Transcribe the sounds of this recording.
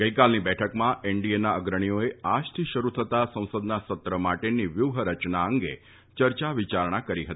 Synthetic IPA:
ɡəikalnibɛʈʰəkmãeɳɖienaəɡɾəɽ̃ijoead͡ʒt̪ʰiʃəɾut̪ʰət̪asə̃w̃səd̪nasət̪ɾəmaʈeniʋjuʋɦəɾət͡ʃnaəŋɡe | t͡ʃəɾt͡ʃaʋit͡ʃaɾɳ̃akəɾiɦət̪i̥

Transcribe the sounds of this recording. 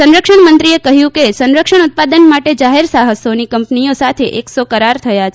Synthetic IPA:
sənɾəkʃəɳmənt̪ɾiekəɦjũkesənɾəkʃəɳ̃ut̪̚pad̪ənmaʈed͡ʒaɦeɾsaɦəsonikəmpniosat̪ʰeʔeksokəɾaɾt̪ʰəjat͡ʃʰ

